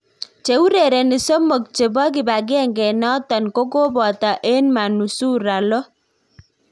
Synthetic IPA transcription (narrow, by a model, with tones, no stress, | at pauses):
t͡ʃe˨u˦ɾe˨ɾe˨ni˨so˦mo˨k̚t͡ʃe˨bɔ˦k̬ɪ˨ba˨ɡi˦ɛ˦˨ŋɡɛ˨nɔ˦ta˨nko˦ko˦bɔ˨ta˨ʔe˦nma˨nu˨su˦ɾa˨lɔ˦